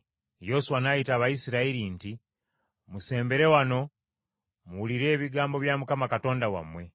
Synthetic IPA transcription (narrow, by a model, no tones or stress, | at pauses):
jo̞suwanajitaːβaisiɾaiɾinti | muse̞ːmbe̞ɾe̞wano̞ | muuliɾe̞ːβiɡaːmbo̞βjamukamakato̞ːndawa̰mwe̞